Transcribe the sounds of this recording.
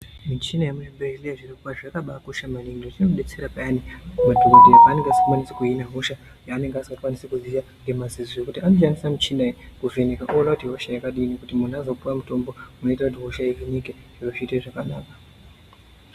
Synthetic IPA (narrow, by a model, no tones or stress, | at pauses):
mit͡ʃinajamuʐibreliaʐirikupaʐakaɓakuʃamanindotinoɓe̞t͡se̞ɾapaanimadʱukodeaːne̞ŋɡeasi̥kukwanisekuɦinaɦoʃa | jaːne̞ŋɡeasikakwanisekuziʋaŋɡe̞mazizoekutianoʃandisamit͡ʃinaekuvenekaʔolautiɦoʃajakaɗiːnekutimun̤azo̞puwamuto̞mbo̞muno̞itakut̬iɦoʃajerinikeʐ̥iroʐiːteʐakanaːkḁ